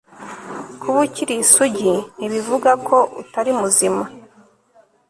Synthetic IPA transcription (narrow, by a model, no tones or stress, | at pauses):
kʰuβuciɾisuɟin̥iβivuɡakʰo̞ʔṵtaɾimuzima